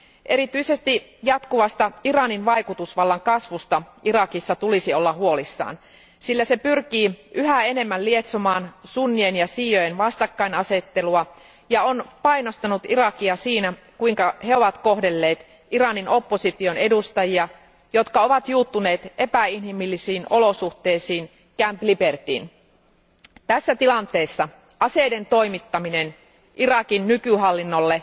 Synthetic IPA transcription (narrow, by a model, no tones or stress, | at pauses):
ʔe̞ɾit̪yise̞st̪ijɑt̪kuʋɑst̪ɑirɑninʋɑjkut̪usʋɑlːɑŋkɑsʋust̪ɑʔirɑkisːɑt̪ulisio̞lːɑɦuo̞lisːɑ̰ːn | silːæse̞pyrkiːʔyɦæe̞ne̞mːællie̞t̪somɑːnsunːienjɑsiːjojenʋɑst̪ɑkːɑinɑse̞t̪ːe̞luɑ | jɑonpɑjnost̪ɑnut̪irɑkiɑsiːnæ | kuiŋkɑheo̞ʋɑt̪koɦde̞lːe̞ːt̪ | iɾɑnino̞pːosit̪io̞nedust̪ɑjiɑ | jo̞t̪kɑo̞ʋɑt̪juːt̪ːune̞ːt̪ʔe̞pæinhimilːisiːnʔo̞lo̞suht̪e̞ːsiːn | kæmplipert̪ḭːn | t̪æsːæt̪ilɑnt̪e̞ːsːɑ | ɑse̞jde̞nt̪o̞imit̪ːɑminen | ʔirɑkinːykyɦɑlːinːolːe̞